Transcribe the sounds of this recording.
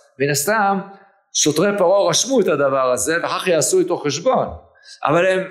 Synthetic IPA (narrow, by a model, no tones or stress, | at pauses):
minast̪am | ʃo̞tʁepaʁoʁaʃmuet̪had̪avaʁaze̞veχaχjaːsuit̪o̞χːeʃbo̞n | ʔa̰valem